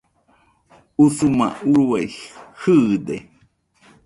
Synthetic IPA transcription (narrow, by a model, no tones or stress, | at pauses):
usumã̰uɾuajhɯd̪e